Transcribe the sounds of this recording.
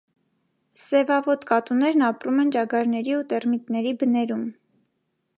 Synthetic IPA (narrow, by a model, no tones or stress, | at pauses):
sɛvɑvɔt̪kɑt̪unɛɾnɑpɾumɛnt͡ʃɑɡɑɾnɛɾiut̪ɛrmit̪nɛɾibənɛɾum